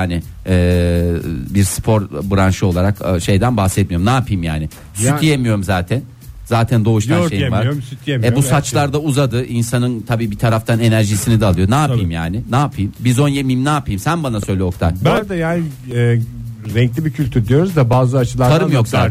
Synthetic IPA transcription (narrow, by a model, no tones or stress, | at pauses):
aːnɪɛː | biɾspʰo̞ɾbɯɾanʃɯo̞lˠaɾakːʃe̞jd̪ænbaxsɛt̪̚mijoɾmnaːpʰɯjmja̰ːnɪ | syt̪ijemijo̞ɾumzaːt̪ʰæn | zaːt̪ʰænd̪o̞uʃt̪aʃejivaɾsyt̪jemɛbusat͡ʃlˠaɾd̪auzad̪ɯʔinsanɯnt̪ʰabiːbit̪ʰaɾaft̪ʰane̞næɾʒisinid̪ɛːlˠɯjo̞naːɯjmjaːnɪnaːpʰɯjmbizo̞njemijmnaːpɯjmsænbanasø̞jlʲɛo̞kt̪ʰaɾbænd̪ɛjaːnɪ | ɛɾɛɲclʲibicʰylʲt̪ʰyɾd̪ijo̞ɾuzd̪abaːzɯat͡ʃʰɯlˠaɾaɾɯmjo̞ksaː